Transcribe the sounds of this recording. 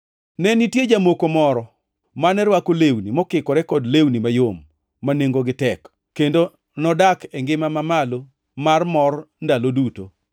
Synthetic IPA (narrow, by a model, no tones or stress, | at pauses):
nɛnitjed͡ʒamokomɔɾɔ | manɛɾwakolewnimɔkɪkɔɾɛkɔdlewnimajomː | aneŋɡoɡɪtɛk | kːendo | nɔdakɛŋɡɪmamamalo | marmɔrndaloduto